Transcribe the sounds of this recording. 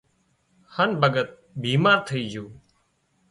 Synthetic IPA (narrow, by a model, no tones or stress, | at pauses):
hənbʱəɡət̪̚ | bʱiːmaːɾt̪ʰəiːd͡ʒoː